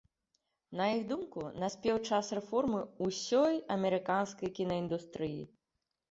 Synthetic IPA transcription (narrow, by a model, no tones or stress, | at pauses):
nɐjixd̪umkunɐsʲpʲɛwt͡ʂasrɛfɔrmɨusʲɔjɐmʲɛɾɨkanskɐjkʲinɐind̪ust̪ɾɨjḭ